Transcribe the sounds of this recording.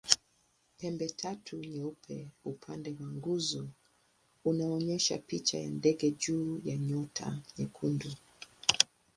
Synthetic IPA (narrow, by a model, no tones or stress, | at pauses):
pɛmbɛtʰatʰuɲɛupʰɛ̰upʰandɛwaŋɡuzɔ | unaɔɲɛʃa̰pit͡ʃa̰ja̰ndɛɡɛd͡ʒuːjaɲɔtʰa̰ɲɛkʰundu